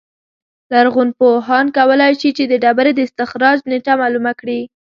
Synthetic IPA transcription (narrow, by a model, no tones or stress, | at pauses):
laɾɣunpoɦɑnkawəlɑjʃit͡ʃed̪əɖɑbaɾed̪əɪst̪ɪxɾɑd͡ʒneʈamɑlumakɽi